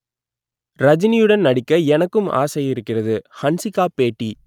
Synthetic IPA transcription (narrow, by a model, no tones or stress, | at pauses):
ɾɐd͡ʒɪnɪjɯɽɐnnɐɽɪkːɐɛnɐkːɯma̰ːsɐjɪɾɯkːɪrɐðɯhɐnsɪkːaːpeːʈːi